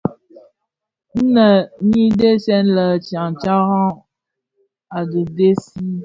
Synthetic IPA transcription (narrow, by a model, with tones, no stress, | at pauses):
n̩˦nə˨˦ɲi˦de˦sɛ˦n˦lə˨t͡ʃa˨ŋt͡ʃa˦ɣã˦ | a˨də˨de˦si˦